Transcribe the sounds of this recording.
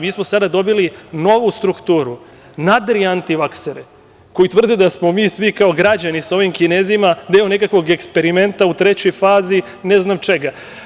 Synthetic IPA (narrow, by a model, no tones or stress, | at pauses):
miːsmosad̪ad̪o̞bilino̞ʋust̪ɾukt̪uːɾu | nad̪ɾiant̪iʋakseɾe | ko̞jit̪vr̩d̪ed̪asmo̞miːsʋikao̞ɡɾad͡ʑanisao̞ʋimkineːzimad̪eːone̞kakʋo̞ɡe̞kspe̞ɾime̞nt̪aut̪ɾe̞t͡ɕo̞jfaːzi | neznamt͡ʃe̞ɡa